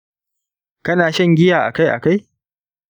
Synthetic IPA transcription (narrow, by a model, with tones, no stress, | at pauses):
kɐ˦naː˨ʃɐ˦˨ŋɡʲɪ˦jaː˨ʔa̰˨ka˦jʔa̰˨ka˦j